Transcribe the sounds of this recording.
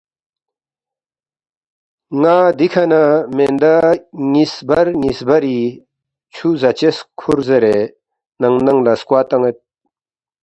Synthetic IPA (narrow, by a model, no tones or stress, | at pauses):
ŋaːd̪ikʰɐnamend̪aŋisbɐɾŋisbɐɾi | t͡ɕʰuzɐt͡ɕeskʰuɾzeɾe | nɐŋnɐŋlɐskwaːt̪ɐŋet̪̚